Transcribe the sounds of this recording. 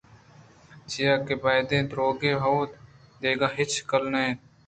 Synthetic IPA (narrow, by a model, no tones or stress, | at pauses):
d͡ʒɪjaːkeːbaːɪd̪ẽːd̪ɾoːɡeːɦoːt̪ | d̪eːɡaːɦɪt͡ʃkəlnəẽː